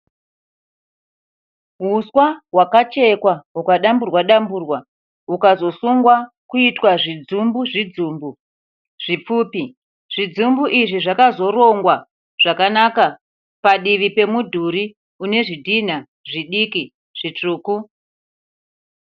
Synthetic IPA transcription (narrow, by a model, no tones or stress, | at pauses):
ɦuswaɦwakat͡ʃe̞kwaɦukaɗamburwaɗamburwa | ukazo̞suŋɡwa | kuitwaʐid͡zumbuʐid͡zuːmbu | ʐ̥ip͡fuːpi | ʐ̥id͡zumbuʔiʐiʐakazo̞ɾo̞ŋɡwa | ʐ̥akanaka | paɗiʋipe̞mudʱuɾi | une̞ʐidʱin̤a | ʐiɗiki | ʐ̥it͡ʂuːku